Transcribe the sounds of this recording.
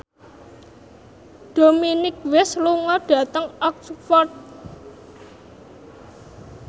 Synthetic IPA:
ɖ̥ominɪk̚wɪsluŋɔɖ̥ä̤t̪əŋɔk̚sfɔrt̪̚

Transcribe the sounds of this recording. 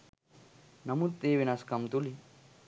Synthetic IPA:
nɐmut̪ːeːʋinɐskɐmt̪uli

